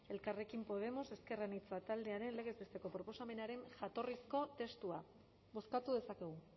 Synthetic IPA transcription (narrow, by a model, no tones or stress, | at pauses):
e̞lkare̞kimpo̞ð̞e̞mo̞se̞ske̞ranit͡sat̪ald̪e̞aɾe̞nleɣ̞e̞zβest̪e̞ko̞pɾo̞po̞same̞naɾe̞ŋʝat̪o̞risko̞t̪e̞st̪ua | βo̞skat̪uðe̞sakeɣ̞u